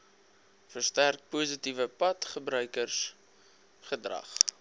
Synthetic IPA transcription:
fərstærk̚puːsitivəpɐtχəbɾœɥkərs | χədrɐ̰χ

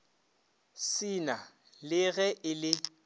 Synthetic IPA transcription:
sɪna | lɪɣɛʔɪlɪ

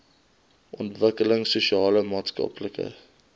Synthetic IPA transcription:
ʔɔntvəkələŋsuʃiɑːləmɑːtskɑ̰pləkə̰

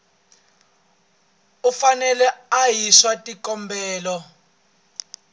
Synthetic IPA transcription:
ufanɛlɛajiswatʼikʼɔmbʱɛːlɔ

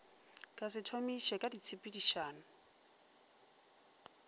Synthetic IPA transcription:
kʼasɪtʰomiʃɛkʼadit͡sʰipʼidiʃaːnʊ

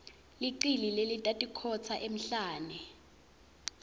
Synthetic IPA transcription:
liǀililelitʼatʼikʰɔt͡sʰaʔem̩ɬaːnɛ

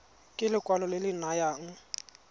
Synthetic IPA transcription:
kʼɪlɪkʼwalɔlɪlɪnajaŋ̩

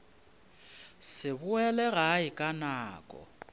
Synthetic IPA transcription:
sɪbʊɛlɛɣaɪkʼanaːkʼɔ̰

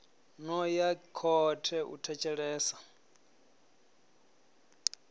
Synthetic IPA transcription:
nɔjakʰɔtʰɛʔṵtʰɛt͡ʃʰʼɛɺɛːsa

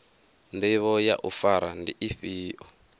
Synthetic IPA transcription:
ndɛβɔja̰ʔufaɾandiʔiɸiːʔɔ

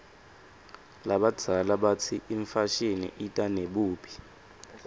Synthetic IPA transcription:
laɓḁd͡z̥ʱalaɓatʰiʔiɱfaʃinḭʔitʼaneɓuːpʰi̥

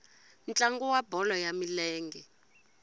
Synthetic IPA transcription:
nt͡ɬʼaŋɡɔwabʱɔlɔjamilɛːŋɡɛ

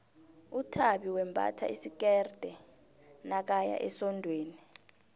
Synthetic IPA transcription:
utʰaɓiwɛmbʱa̰tʰa̰isik̬ɛrd̥ʱɛ | nak̬aja̰ʔɛsɔndʱweːni

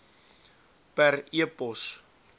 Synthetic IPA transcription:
pɛriəpɔs

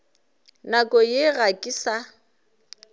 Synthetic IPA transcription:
nakʼɔjɪɣakʼɪsa

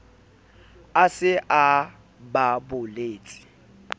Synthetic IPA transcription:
asɪʔa | babʊleːt͡sʼi̥

